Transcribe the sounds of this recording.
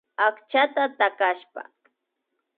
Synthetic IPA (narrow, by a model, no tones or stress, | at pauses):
akt͡ʃat̪at̪akaʃpa̰